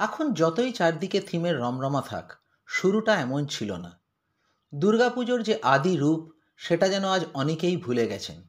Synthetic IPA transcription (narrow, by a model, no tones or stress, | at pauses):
ɛkʰond͡ʑɔt̪ojt͡ɕaɾd̪iket̪ʰimeɾːɔmɾɔmat̪ʰa̰k | ʃuɾuʈaɛmont͡ɕʰilo̰na̰ | d̪uɾɡapud͡ʑoɾd͡ʑeʔad̪iɾup | ʃeʈad͡ʑɛnoad͡ʑɔnekejbʱuleɡɛt͡ɕʰḛn